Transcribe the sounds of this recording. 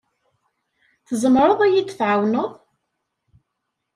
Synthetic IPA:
θəzˤəmɾˤəðˤæjid̪θʕawnəðˤ

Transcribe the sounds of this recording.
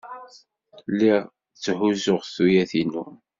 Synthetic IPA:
lːiʁ | t͡sːhuzʊʁθujæθinu

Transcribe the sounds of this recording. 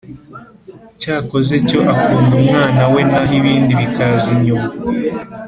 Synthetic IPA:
caːko̞ze̞co̞ʔakuːndumŋaːnawe̞naɦiβiːndiβikaziɲoma

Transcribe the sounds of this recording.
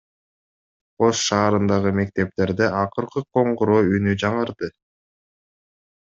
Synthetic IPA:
o̞sʃɑːɾɯnd̪ɑʁɯme̞k̚t̪e̞p̚t̪e̞ɾd̪eʔɑqɯɾqɯqʰo̞ɴʁuɾoːynyd͡ʒɑɴɯɾd̪ɯ

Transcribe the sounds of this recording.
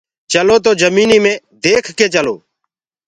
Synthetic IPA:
t͡ʃəloːt̪̬oːzəmiːniːmẽː | d̪eːkʰkeːt͡ʃəlo̰ː

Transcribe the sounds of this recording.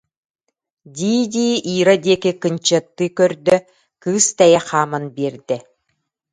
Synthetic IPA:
d̪ʲiːd̪ʲiːʔiːɾad̪iɛkikɯnt͡ɕɯt̪ːɯkœɾd̪œ | kɯːst̪ɛjɛχaːmanbiɛɾd̪ɛ

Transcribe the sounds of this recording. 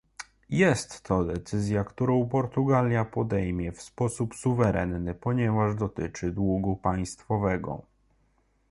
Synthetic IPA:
jɛst̪ːɔd̪ɛt̪sɘzʲjakt̪uɾɔ̃w̃pɔɾt̪uɡalʲjapɔd̪ɛjmʲjɛfspɔsupsuvɛɾʔɛnːɘpɔɲɛvaʐd̪ɔt̪ɘt͡ʂɘd̪wuɡupaj̃st̪fɔvɛɡɔ̰

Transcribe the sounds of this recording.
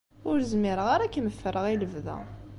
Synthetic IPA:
ʊɾzmɪɾəʁaɾakːənəfːəɾəʁiləvðæ̰

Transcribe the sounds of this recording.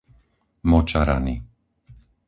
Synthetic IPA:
mɔt͡ʃaɾa̰ni

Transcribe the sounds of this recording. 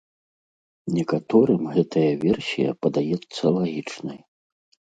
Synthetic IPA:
nʲɛkat̪ɔɾɨmɣɛt̪ʰɐjɐvʲɛrsʲijɐ̰pɐd̪ajɛt̪sːɐlˠaɣʲit͡ʂnɐj

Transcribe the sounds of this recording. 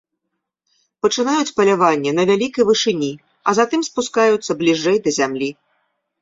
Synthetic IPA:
pɐt͡ʂɨnajut͡sʲpɐlʲavanʲːɛnɐvʲalʲikɐjvɨʂɨnʲi | ɐzat̪ɨmspuskajut̪sːɐblʲiʐɛjd̪ɐzʲamlʲi

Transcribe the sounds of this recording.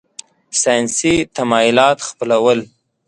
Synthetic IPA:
sɑjnsit̪amɑjʊlɑt̪xpəlawəl

